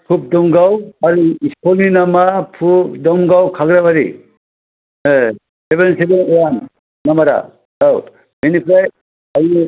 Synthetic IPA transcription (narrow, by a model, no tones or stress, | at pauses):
pʰup̚dɔŋɡawaɾuiskɔlninamapʰupdɔmɡawkʰaɡɾabaɾḭ | sebensebenɔjanː | amaɾa̰ | aw | minipʰɾaj | ami